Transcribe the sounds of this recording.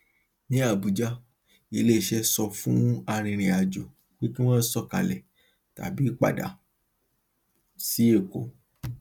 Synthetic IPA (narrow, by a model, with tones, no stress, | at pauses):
nĩ˦a˦˨bu˨d͡ʒa˦ | e˨le˦˨ʃɛ˦sɔ˧fũ˦a˧ɾ̃ĩ˧ɾ̃ĩ˧a˨d͡ʒo˨ | k͡pi˦kĩ˦w̃ɔ̃˦n̩˦sɔ˦˨ka̰˨lɛ˨ | ta̰˨˦bi˦k͡pa̰˦˨da̰˨˦ | si˨˦e˦˨ko̰˨˦